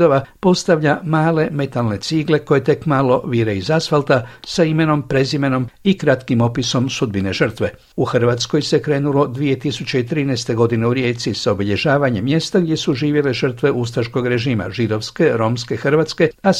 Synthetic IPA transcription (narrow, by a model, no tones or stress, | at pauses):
d̪o̞ʋapo̞st̪aʋʎamaːle̞me̞t̪alne̞t̪siɡle̞ko̞je̞t̪e̞kmalo̞ʋiɾeizasfalt̪asaime̞no̞mpɾe̞zime̞no̞mikɾat̪kimo̞piso̞msud̪̚bine̞ʒər̩t̪ʋe | uxr̩ʋat̪sko̞jse̞kɾe̞ːnulo̞d̪ʋije̞t̪isut͡ɕe̞it̪ɾiːnɛːst̪e̞ɡo̞d̪ineuɾje̞ːt̪sisaobiʎe̞ʒaːʋaɲemːje̞st̪aɡd̪ʲje̞suʒiːʋje̞le̞ʒər̩t̪ʋe̞ʔust̪ɾaʃko̞ɡɾe̞ʒiːma̰ʒid̪o̞ʋske̞ɾo̞mske̞xr̩ʋat̪ske̞a